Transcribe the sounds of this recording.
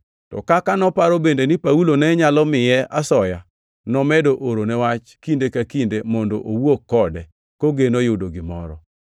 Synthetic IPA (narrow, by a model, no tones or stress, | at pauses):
tɔ̰kakanɔpaɾobendenɪpaulonɛɲalɔmɪjɛʔasɔja | nɔmɛdoʔoɾonɛwat͡ʃkindekakindemɔndo̰ʔowokːɔdɛ | koɡenojʊdoɡɪmɔ̰ɾɔ̰